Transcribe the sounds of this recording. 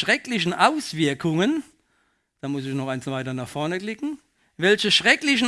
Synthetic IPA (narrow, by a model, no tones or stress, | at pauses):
ʁ̥ɛklɪç̬n̩ʔaʊsv̥ɪɐkʰʊŋən | d̥aːmʊsɪçnɔχaɪnsv̥aɪtɐnaːχfɔɐnəklɪkŋ̩ | vɛlçəʃʁɛklɪç̬n